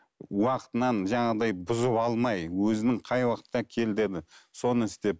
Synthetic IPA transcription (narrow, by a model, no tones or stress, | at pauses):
wɑqət̪ənɑnʒɑɴɑd̪ɑjbʊzʊpɑlˠmɑjwɵzɪnɪŋqʰɑjwɑqə̥t̪ːɑkʲʰe̞ld̪e̞d̪ɪso̞nəɪst̪e̞p̚